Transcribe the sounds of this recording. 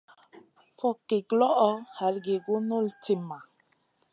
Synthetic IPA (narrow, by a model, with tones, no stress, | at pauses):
fɔ˦ke˨ɡlɔ˦ʔɔ˦ha˨ɾɡe˨ɡo˦no˦˨lti˦ma˨